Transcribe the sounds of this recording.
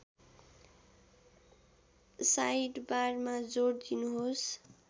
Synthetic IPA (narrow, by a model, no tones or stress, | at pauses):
sajʈbarmad͡zoɽd̪inuɦos